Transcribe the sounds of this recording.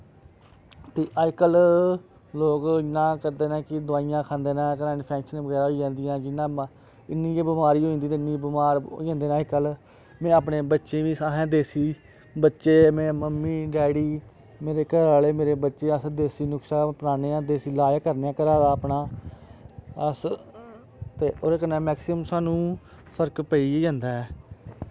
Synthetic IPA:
t̪eːʔakəl | loːkɪnãːkəɾd̪eːnãːkɪd̪ʊaːijãːkʰãːnd̪eːnãːkənaːnːpʰɛ̃ːkʃənẽʋəɡɛːɾaːɦoːiːd͡ʒãːnd̪ɪjãːd͡ʒɪnːãː | ɪnːiːeːbɪmaːɾiːoːĩːnd̪iːt̪eɪnːiːbɪmaːɾo̰ːãːnd̪eːnãːɪkəl | mɛ̃ːaːpneːbətːʃeːʋĩːsaɦɛ̃ːd̪eːsiː | bətːʃeːmɛ̃ːməmːiːɖɛːɽiː | meːɾeːkəɾaːleːmeːɾeːbətːʃeːəsd̪eːsiːnʊksaːpənaːneːãːd̪eːsiːlaːjaːkəɾneːãːkəɾaːd̪aːəpnaː | əs | t̪eːoːɾeːkənɛ̃ːmɛːksɪəmsaːnũː | pʰəɾkpəiːd͡ʒãːnd̪aːɛː

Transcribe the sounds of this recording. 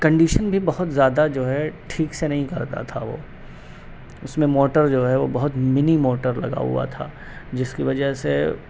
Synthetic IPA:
kɐ̃ɳɖiːʃənbʱibɐɦʊt̪zjaːd̪ad͡ʒoːɦɛʈʰiːksenɐɦĩkɐɾt̪a̰t̪ʰaʋo̰ː | ʊsmẽmoːʈəɾd͡ʒoːɦɛʋobɐɦʊt̪mɪnimoːʈəɾlɐ̰ɡa̰ɦṵa̰t̪ʰa̰ː | d͡ʒɪskiʋɐd͡ʒəɦse

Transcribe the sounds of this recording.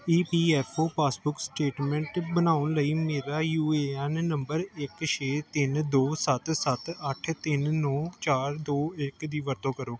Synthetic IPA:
iːpiːɛːpʰoːpaːsbʊksʈeːʈmɛ̃ːɳʈbənaːʊnləiːmeːɾaːjuːeːɛnːəmbəɾɪkʃʰeːt̪ɪnd̪oːsət̪sət̪əʈʰt̪ɪnːɔ̃ːt͡ʃaːɾd̪oːɪkd̪iːʋəɾt̪õːkəɾoː

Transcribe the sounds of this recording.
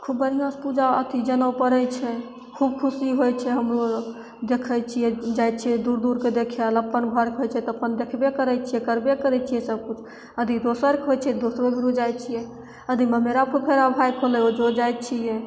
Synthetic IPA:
kʰubːəɾijãspud͡ʒaə̰t̪id͡ʒənəwpəɾɛt͡ʃʰɛ | kʰub̚kʰusiɦojt͡ʃʰɛɦəmɾo | d̪ekʰəjt͡ʃʰijɛd͡ʒajt̪t͡ʃʰijɛd̪uɾd̪uɾked̪ekʰləpːənbʱəɾkɦojt͡ʃʰɛt̪əpənd̪ekʰbekəɾɛt͡ʃʰijɛkəɾbekəɾɛt͡ʃʰijɛsəb̚kut͡ʃʰ | əd̪ʱid̪osəɾkɦojt͡ʃʰɛɛd̪osɾobʱiɾud͡ʒajt͡ʃʰijɛ | əd̪ʱimemeɾapʰupʰeɾabʱajkʰolɛod͡ʒod͡ʒaj̚t͡ʃʰiɛ

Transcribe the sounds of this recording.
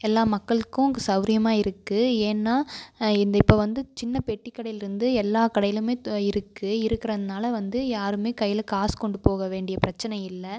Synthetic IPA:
ɛlːaːmɐkːɐɭɯkːʊ̃ŋɯsɐʊɾɪjɐmaːɪɾɯkːɯeːnːaːɪnd̪ɐɪpːoːʋɐnd̪ɯt͡ʃɪnːɐpɛʈːikːɐɽɐjɪlɪɾɯnd̪ɯɛlːaːkɐɽɐjɪlɯmeːɪɾɯkːɯɪɾɯkːɪɾɐðɐnaːlɐʋɐnd̪ɯjaːɾɯmeːkɐjːɪlɐkaːskɔɳɖɯpoːɣɐʋeːɳɖɪjɐpɪɾɐt͡ʃːɐnɐɪjɪlːɐ

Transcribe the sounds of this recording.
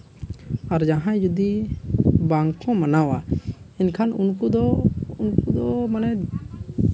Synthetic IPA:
aɾd͡ʒaɦãd͡ʒud̪i | baŋkkɔ̃manawainkʰanunkud̪ɔunkud̪ɔmanɛ

